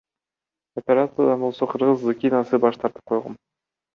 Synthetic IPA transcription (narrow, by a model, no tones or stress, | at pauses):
opʲeɾat̪sɨad̪ɑnbo̞lˠso̞qʰɯɾʁɯzːukʲinɑsɨbɑʃt̪ʰɑɾt̪ɯ̥p̚qʰo̞jʁɑ̰m